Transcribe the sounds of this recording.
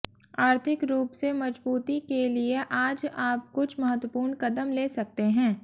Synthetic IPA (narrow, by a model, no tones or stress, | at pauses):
aːɾt̪ʰɪkɾuːpsemɐd͡ʒbuːt̪ikelieʔaːd͡ʒaːp̚kʊt͡ʃʰmɐɦət̪wəpuːɾɳkɐd̪əmleːsɐk̚t̪eɦɛ̃ː